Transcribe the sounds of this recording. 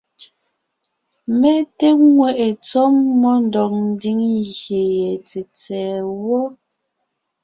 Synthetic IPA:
mɛ˦te˦ŋwɛ˦˨ʔe˨t͡sɔ˦mːɔ˦n˨dɔ˨k̚n̩˦di˦ŋɣje˨jɛ˨t͡se˨t͡sɛː˨wɔ˦

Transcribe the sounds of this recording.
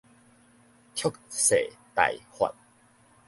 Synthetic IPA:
kʰjo˥˦˨k̚se˨t̪a̰˨jhwa̰˨t̚

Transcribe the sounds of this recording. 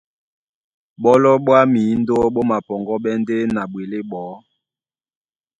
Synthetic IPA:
ɓɔ˦lɔ˦ɓwa˦mi˨˦n̩˦do˦ɓo˦ma˨pɔ˨ŋɡɔ˦ɓɛ˦nde˦na˨ɓwe˨le˦ɓɔː˨˦

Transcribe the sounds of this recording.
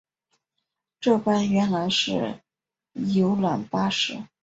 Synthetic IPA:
ʈ͡ʂɤ˥˩pa˥nɥɛ˧˥nla˧˥ɪʂɻ̩˥˩ | jo˧˥ʊlwa̰˨˩npa˥ʂɻ̩˥

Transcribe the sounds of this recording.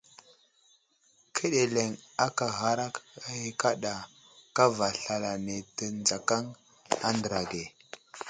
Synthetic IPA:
kʰə˦ɗe˨le˨ŋa˦ka˨ɣa˨ɾa˦ki˨ka˦ɗa˨ | ka˦va˨ɬa˨la˨ne˨tə˨nd͡za˨ka˦ŋ | a̰˦ndə˨ɾa˨ɡe˨

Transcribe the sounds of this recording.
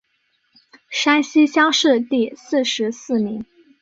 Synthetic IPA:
ʂa˥nɕi˥ɕjɑ˥ŋʂɻ̩˥˧t̪i˥˧sɹ̩˥˩ʂɻ̩˧˥sɹ̩˥˩mi˧˥ŋ

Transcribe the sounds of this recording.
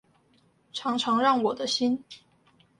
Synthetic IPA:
ʈ͡ʂʰɑ˧˥ŋʈ͡ʂʰɑ˧˥ŋɻɑ˥˩ŋwɔ˨˩d̪ə˦ɕi˥n

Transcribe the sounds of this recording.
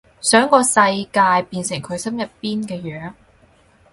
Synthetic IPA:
sœː˨˥ŋkɔː˧sɐ˧jkaː˧jpiː˧nsɪ˨˩ŋkʰɵ˨˧ɥsɐ˥mjɐ˨tpiː˥nkɛː˧jœː˨˥ŋ

